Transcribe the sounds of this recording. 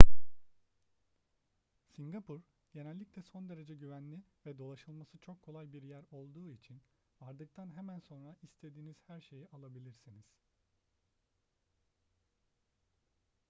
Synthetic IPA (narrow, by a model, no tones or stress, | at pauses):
siŋɡapʰuɾ | ɟ̥e̞nɛlʲːiclʲɛso̞nd̪e̞ɾe̞d͡ʒɛɟyvænlʲivɛd̪o̞lˠaʃɯlˠmasɯt͡ʃʰo̞kʰːo̞lˠajbiɾjæɾo̞lˠd̪uːit͡ʃʰin | vaɾd̪ɯk̚t̪ʰanɦemænso̞nɾaist̪ʰe̞d̪iːniz̥hæɾʃe̞jiʔalˠabilʲiɾsiniz̥